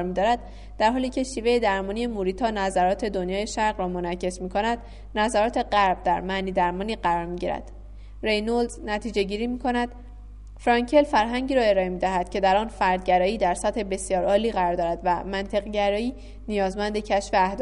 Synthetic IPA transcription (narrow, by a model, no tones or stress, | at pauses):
ɾmiːd̪ɒːɾæd̪̥ | d̪̥æɾɦɒːliːcʰe̞ʃiːve̞je̞d̪æɾmɒːnie̞muɾiːt̪ʰɒːnæzæɾɒːt̪ʰe̞d̪onjɒːje̞ʃæɾʁɾɒːmo̞næcʰːe̞smiːkʰo̞næd̪̥ | næzæɾɒːt̪ʰe̞ɢæɾb̥̚d̪æɾmæniːd̪æɾmɒːniːɢæɾɒːɾmiɟiɾæ̰d̪̥ | ɾejnolznæt̪ʰiːd͡ʒe̞ɟiːɾiːmiːkʰo̞næd̪̥ | fɾɒɲcʰe̞lfæɾɦæɲɟiːɾɒːe̞ɾɒːe̞miːd̪æɦæd̪̥cʰe̞d̪æɾɒːnfæɾd̪̚ɟæɾɒːiːd̪æɾsæt̪he̞be̞sijɒːɾɒːliːɢæɾɒːɾd̪ɒːɾæd̪væmænt̪ʰe̞ɣɟæɾɒːiː | nijɒːzmænd̪e̞cʰæʃfeæhd̪